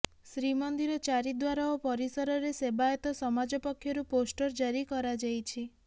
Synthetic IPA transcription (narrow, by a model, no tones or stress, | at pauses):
sɾimɔnd̪iɾɔt͡ʃaɾid̪waɾaopɔɾisɔɾɔɾesebaet̪ɔsɔmad͡ʒɔpɔkʰːjɔɾuposʈɔɾd͡ʒaɾikɔɾad͡ʒajt͡ʃʰi